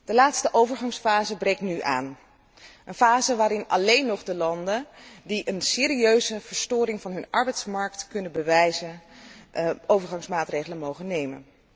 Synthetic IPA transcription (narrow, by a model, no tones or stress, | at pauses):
d̥əlaːtstəʔowvəɹχɑŋsfaːzəbrejk̚tnyʔa̰ːn | ʔənfaːzəʋaːɾɪnɑ̰lejnːɔχdəlɑndəndiʔənsɪːɾiøɥzəvəɹstʊːɾɪŋvɑnɦɵnʔɑɹbɛjtsmɑɹktkɵnəbəʋɛjzə | ʔowvəɹχɑŋsmaːtrejχələnmowχənejmə̰n